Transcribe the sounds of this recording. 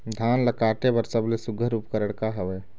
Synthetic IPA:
d̪ʱaːnləkaːʈ̪ebəɾsəblesʊɡʱəɾʊpkəɾəɽkaɦəʋeː

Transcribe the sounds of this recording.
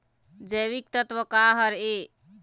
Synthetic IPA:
d͡ʒəβik̚t̪ət̪wəkaɦəɾe

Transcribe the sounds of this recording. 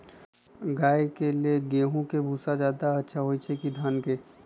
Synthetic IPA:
ɡaːikelieɡẽːɦõkebʱuːsad͡ʒjaːd̪aɐtːʃʰaɦoit͡ʃʰekid̪ʱaːnkeː

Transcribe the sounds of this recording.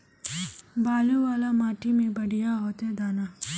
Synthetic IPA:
baːluʋaːlamaːʈimẽbɐɽijaɦoːt̪ɦɛd̪aːnaː

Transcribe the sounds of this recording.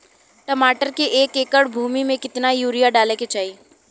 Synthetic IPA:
ʈəmaːʈəɾkeʔeːkeːkəɽbʱuːmimẽkɪt̪najuːɾijaɖaːleket͡ʃaːi

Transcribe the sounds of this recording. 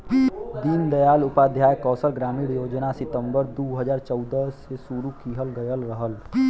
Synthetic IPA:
d̪ind̪əjaːlʊpad̪ʱjaːjkɔːsəlɡɾaːmiːɽjoːd͡ʒnasɪt̪ə̃mbəɾd̪uɦəd͡ʒaːɾt͡ʃəʊd̪əsesuɾukiɦəlɡəjəlɾəɦəl

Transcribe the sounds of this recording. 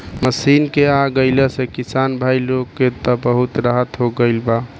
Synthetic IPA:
məsinkeaɡəɪlesekisanbʱailoɡːet̪əbəɦut̪ɾaɦət̪ɦoɡəɪlba

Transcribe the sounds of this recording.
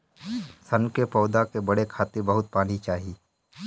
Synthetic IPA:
sɐnkepɔːd̪akebɐɽekʰaːt̪ɪɾbəɦʊt̪̚paːnit͡ʃaːɦi

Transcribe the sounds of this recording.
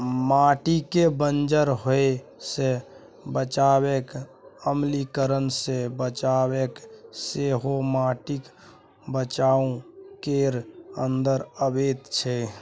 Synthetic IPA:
maʈikebənd͡ʒəɾɦoese | bət͡ʃabekəmlikəɾənsebət͡ʃabekseɦomaːʈik | bət͡ʃaːũkeɾənd̪əɾəbet̪t͡ʃʰe

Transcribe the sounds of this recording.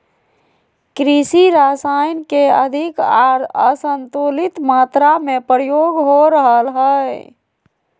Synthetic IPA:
kɾisiɾasajnkeə̰d̪ʱikaɾəsənt̪ulit̪mat̪ɾamepɾəjoɡɦoɾəɦəlɦə

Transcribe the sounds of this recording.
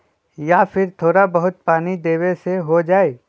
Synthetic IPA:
jaːfʰɪɾt̪ʰoːɾabɐɦʊt̪̚paːnid̪eːweseɦod͡ʒaːeː

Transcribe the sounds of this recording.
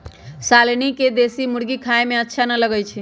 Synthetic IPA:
salniked̪esimuɽɡikʰaemẽətːʃʰanələɡəjt͡ʃʰi

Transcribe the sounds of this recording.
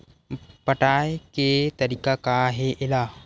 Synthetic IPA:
pəʈaːjket̪ɐɾiːkakaɦeʔɪlaː

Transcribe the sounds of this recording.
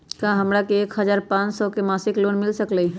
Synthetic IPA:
kãɦɐmɾakeeːkhɐzaːɾpãːt͡ʃsɔkemaːsɪkloːnmɪlsəklei

